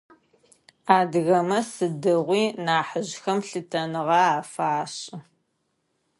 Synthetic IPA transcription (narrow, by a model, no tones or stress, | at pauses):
aːdɣɐmɐsɨdɨʁʷiːnaːħəʑxɐmɬɨtʰɐnɨʁɑaːfaːɕʼɪ